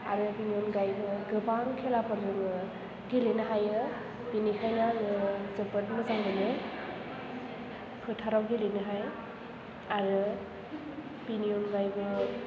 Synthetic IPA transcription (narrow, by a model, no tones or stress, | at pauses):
aɾɯpinijɔnɡajbɯɡɯbaŋkʰelapʰɔɾzɯmɯ | ɡilinɯɦajɯ | pinikʰajnaŋɯzɯbɯt̚mɯzaŋɡɯnɯ | kʰɯtʰaɾawɡilinɯɦaj | aɾɯ | pinionɡajbɯ